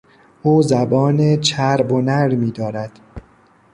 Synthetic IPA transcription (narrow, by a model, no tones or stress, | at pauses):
ʔuːzæbɒːnet͡ʃʰæɾbonæɾmiːd̪ɒːɾæd̪̥